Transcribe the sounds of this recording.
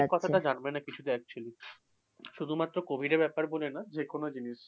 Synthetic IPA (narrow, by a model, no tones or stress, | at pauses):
kɔt̪ʰaʈad͡ʑanbenakit͡ɕʰud̪eɾɛk̚t͡ɕoli | ʃud̪ʱumat̪ːɾokobʱiɖeɾbɛpaɾbolenad͡ʑekonod͡ʑiniʃ